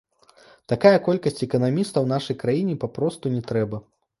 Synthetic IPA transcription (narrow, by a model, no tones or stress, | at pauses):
t̪akajɐkɔlʲkɐsʲt͡sʲɛkɐnamʲist̪ɐwnaʂɐjkɾajinʲɛpapɾɔst̪unʲɛt̪ɾɛbɐ